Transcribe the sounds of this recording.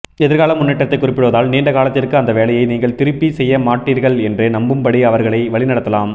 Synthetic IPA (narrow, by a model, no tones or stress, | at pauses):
ɛðɪɾɣaːlɐmːʊnːɛʈːɐt̪ːɐɪkːʊrɪpːɪɽɯʋːðaːlniːɳɖɐkaːlɐt̪ːɪrkɯɐnd̪ɐʋeːlɐjɐɪniːŋɡɐɭt̪ɪɾɯpːisɛjːɐmaːʈːiːɾɣɐɭɛndrenɐmbɯmpɐɽiɐʋɐɾɣɐɭɐɪʋɐɭɪnɐɽɐt̪ːɐlaːm